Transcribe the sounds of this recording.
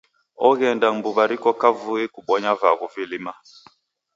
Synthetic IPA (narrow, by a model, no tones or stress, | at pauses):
ɔɣɛndaŋmbuβaɾikɔkavuekuɓɔɲavaɣuvilima